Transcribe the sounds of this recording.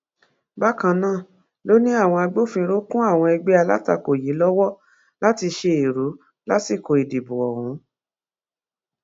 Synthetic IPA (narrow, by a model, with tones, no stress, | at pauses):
ba˦kã˧nãː˦˨ | lo˦nĩ˦a˦˨w̃ɔ̃˧a˧ɡ͡bo˦˨fĩ˧ɾo˦kũ˦a˦˨w̃ɔ̃˧ɛ˧ɡ͡be˦a˧la̰˦ta˧ko˨ji˨˦lɔ˦wɔ˦ | la˦ti˧ʃe˧e˨ɾu˨˦ | la˦si˦˨ko˨i˨di˨bu˨ɔ˨wũ˨˦